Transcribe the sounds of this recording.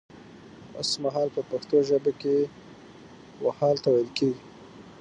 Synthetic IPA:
o̰smaɦɑlpəpaxt̪oʒəbake | wahɑlt̪awajəlkeɡi

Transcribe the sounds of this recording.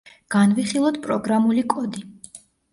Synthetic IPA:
ɡ̥anviχilˠɔt̪pʼɾɔɡɾamulikʼɔd̪i

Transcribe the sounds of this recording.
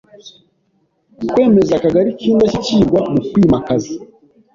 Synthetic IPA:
kwe̞ːme̞zakaɡaɾiciːndaciciːɡwamukwiːmakazi

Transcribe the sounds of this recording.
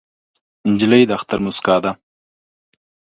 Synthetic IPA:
ɪɲd͡ʒɪləjd̪əaxt̪aɾmʊskɑːd̪a

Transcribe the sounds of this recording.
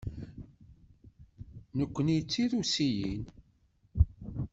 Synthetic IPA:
nəkʷːənijt͡sːiðusijin

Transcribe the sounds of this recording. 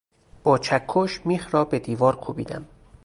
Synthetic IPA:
b̥ɒːt͡ʃʰækʰːoʃmiːxɾɒːbed̪iːvɒːɾkʰubḭːd̪æ̰m

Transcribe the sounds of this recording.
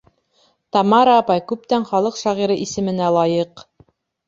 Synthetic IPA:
t̪ɑmɑɾɑːpɑjkʉp̚t̪æɴχɑlˠɤqʃɑʁiɾɤʔisɘ̆mɘ̆nælˠɑjɤq

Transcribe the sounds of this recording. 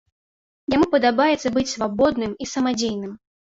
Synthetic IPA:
jamupɐd̪abajɛt̪sːɐbɨt͡sʲsvabɔd̪nɨmisɐmad͡zʲejnɨm

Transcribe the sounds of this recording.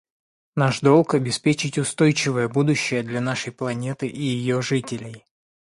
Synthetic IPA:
naʂd̪o̞lˠkɐbʲɪspʲet͡ɕɪtʲʊst̪o̞jt͡ɕɪvəjəbud̪ʊɕːɪjəd̪lʲɐnaʂəjplˠɐnʲe̞t̪ɨʔijɪjo̞ʐɨtʲɪlʲɪj

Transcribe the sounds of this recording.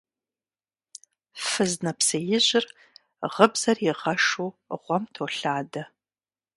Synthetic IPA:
fɨznɐpsɐjɪʑɪr | ʁəbz̥ɐrjɪʁɐʂuːʁʷɔmtʰoːɬaːdɐ

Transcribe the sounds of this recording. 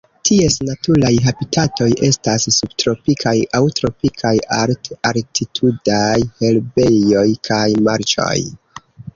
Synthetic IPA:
tʰie̞snatulajɦabitʰato̞jʔe̞stasːubtɾo̞pikʰajʔawtɾo̞pikʰajaɾtaɾtʰitʰudajhelbe̞jo̞jkʰajmaɾt͡ʃo̞̰j

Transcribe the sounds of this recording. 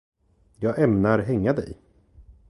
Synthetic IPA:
jɑːɡɛmnaɾɦɛŋːad̪ɛ̰j

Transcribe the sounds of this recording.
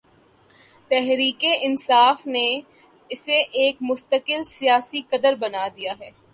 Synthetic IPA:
t̪ɛɦɾiːkeʔɪnsaːfne | ɪseʔeːkmʊst̪əkɪlsijaːsikɐd̪əɾbɐnaːd̪ijaɦɛː

